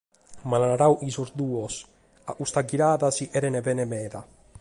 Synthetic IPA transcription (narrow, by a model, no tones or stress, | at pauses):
mananaɾawʔisuzd̪uos | a̰ʔust̪aɡiɾaːðasiʔɛɾenebɛnemɛːða